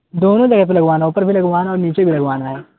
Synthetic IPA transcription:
d̪oːnõd͡ʒɐɡəp̬elɐɡʋaːnauːpəɾbʱilɐɡʋaːnaɔːɾniːt͡ʃebʱilɐɡʋaːnaɦɛː

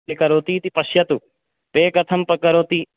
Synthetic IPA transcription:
ekɐɾoːt̪iːt̪ipɐʃjɐt̪u | peːkɐt̪ʰɐmpɐkɐɾoːt̪i

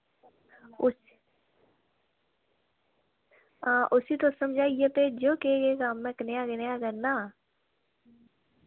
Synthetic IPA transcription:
ʊs | aʔʊsit̪osəmd͡ʒʱaːijeped͡ʒoːkekekaːmːẽknejaɡənjaɡəɾnaː

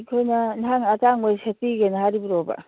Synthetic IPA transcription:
kʰojnɐnɦaŋataŋbajsetiɡenɦaɾibiɾobɐ̰

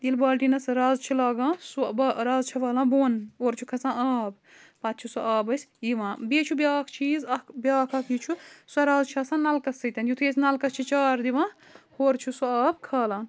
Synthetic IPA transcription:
d̪ilbaːlʈinɐsɾaːzt͡ʃʰilaːɡãːsubːɾaːzt͡ʃʰɐʋaːlãːboːnoːɾt͡ʃʰukʰɐt͡sãːaːb | pɐt̪̚t͡ʃʰusuaːbɐsʲiʋãːbeːt͡ʃʰubʲaːkʰt͡ʃʰiːzɐkbʲaːkʰɐkiːt͡ʃʰusuɐɾaːzt͡ʃʰɐsãːnɐlkɐsɐt̪ɐnjut̪ʰeːsʲnɐlkɐst͡ʃʰit͡ʃaːɾd̪iʋãː | hoːɾt͡ʃʰusuaːb̚kʰaːlãːn

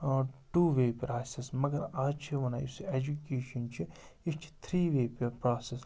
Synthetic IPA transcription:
ʈuːʋeːpɾaːsɪsmɐɡɐɾaːt͡ʃʰiʋɐnaːised͡ʒukeːʃɐnt͡ʃʰi | ɪt͡ʃʰt̪ʰɾiːʋeːppɾaːses

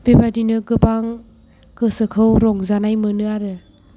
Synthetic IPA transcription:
b̥ebadinɯɡɯbaŋ | kɯsɯkʰɯwɾɔŋzanajmɯnɯaɾɯ

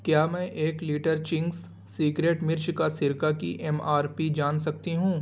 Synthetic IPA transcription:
kjaːmɛ̃ːʔeːkliːʈəɾt͡ʃɪ̃ŋɡs | siːkɾeːʈmɪɾt͡ʃkasɪɾkakiʔɛmaːɾpid͡ʒaːnsɐk̚t̪iɦũː

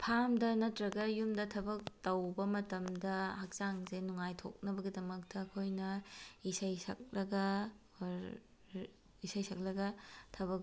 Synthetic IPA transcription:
pʰamdɐnɐtɾɐɡɐjumdɐtʰɐbɐk̚tɐwbɐmɐtɐmdɐhak̚saŋzenuŋajtʰo̰k̚nɐbɐɡidɐmɐk̚tɐːkʰojnɐisɐjsɐ̰k̚lɐɡɐ | isɐjsɐk̚lɐɡɐtʰɐβɐk̚

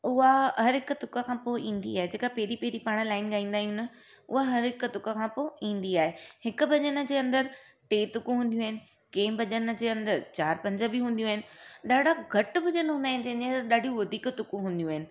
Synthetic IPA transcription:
ʊɦaɦɐɾɦɪkʊt̪ʊkakʰãːpoːʔĩːnd̪ḭaːɦed͡ʑeːkapɛɦɾipeɦɾipaːɽ̃̆laːɪnɡaːĩːn̆d̪aːijunə | ʊ̰ɦaɦɐɾɦɪkʊt̪ʊkakʰãːpoːĩːn̆d̪iaːɦehɪkʊ̆bʱɐʄənə̆d͡ʑeːɐ̃nd̪əɾ | ʈeːt̪ʊkũɦũːnd̪jũaːɦɪnɪ̆ | kẽːbʱɐʄən̆d͡ʑeːɐ̃nd̪əɾt͡ɕaːɾpɐ̃ɲd͡ʑəbɪɦũːnd̪ijũaːɦɪnɪ̆ɗaːɖʱaɡʱɐʈʊ̆bʱɐʄənɦũːnd̪aːɦɪ̃nɪ̆d͡ʑɐ̃ɦɪ̃nd͡ʑẽəɾɗaːɖijũʋɐd̪ʱiːkt̪ʊkũɦũːnd̪ijũaːɦɪnɪ̆

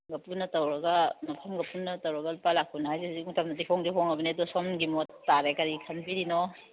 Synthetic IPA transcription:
ɡɐpunːɐtɐwɾɐɡɐmɐpʰɐmɡɐpunːɐtɐwɾɐɡɐlupalak̚ʰːunhajzihziuŋtam̚nɐdipʰɔŋdiɦɔŋɐbɐnedɔsɔmɡimɔtːaɾekɐɾikʰɐnbiɾinɔ

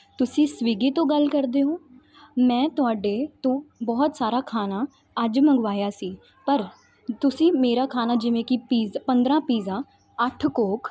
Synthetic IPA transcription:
t̪ʊsĩːsʋiːɡiːt̪õːɡəlkəɾd̪eːɦõː | mɛ̃ːt̪ʊaːɖeːt̪õːbɔːt̪saːɾaːkʰaːnaː | əd͡ʒməŋɡʋaːjaːsiː | pəɾ | t̪ʊsĩːmeːɾaːkʰaːnaːd͡ʒɪʋẽːkɪpiːzpənd̪ɾãːpiːzãː | əʈʰkoːk

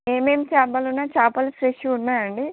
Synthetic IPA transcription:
eːmeːmt͡ʃaːbɐlunːaːt͡ʃaːpɐlifɾeʃjuunːaːɾɐɳɖi

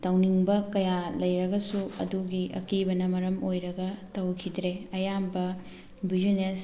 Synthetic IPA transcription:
tɐwniŋbɐkɐjalɐjɾɐɡɐsuɐ̰duɡiʔɐ̰kibɐnɐmɐɾɐmojɾɐɡɐtɐwkʰidɾeɐjambɐ | bid͡ʒines

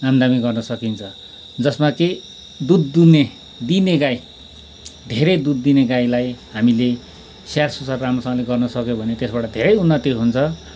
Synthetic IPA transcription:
amd̪amiɡʌrnʌsʌkint͡sʰʌ | d͡zʌsmake | d̪ud̪ːune | d̪ineɡaj | d̪ʱeɾʌjd̪ud̪ːineɡajlajɦamile | sarsosarːamrʌsʌ̃ŋleɡʌrnʌsʌkjobʱʌnet̪esbaʈʌd̪ʱeɾʌjunːʌt̪iɦunt͡sʰʌ

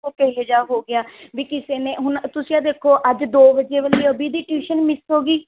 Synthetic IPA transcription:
opɛːɦed͡ʒaːɦoːɡɪaːʋiːkɪseːnẽːɦʊnt̪ʊsĩːãːd̪eːkʰoːʔəd͡ʒd̪oːʋəd͡ʒeːʋəliːəbiːd̪iːʈiːʃənmɪsɦoːɡiː

